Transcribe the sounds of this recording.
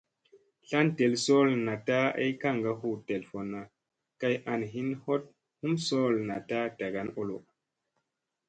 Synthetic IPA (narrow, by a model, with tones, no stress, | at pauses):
ɬa˦nte˨lso˦lna˨ta˦a̰˦jka˦˨ŋɡa˦hu˦˨te˨lfo˨nːa˨ | ka˧jʔa˧nɦi˦nho˦t̚ | hu˦mso˦lna˨ta˦ta˨ɡa˦no˦lo̰˨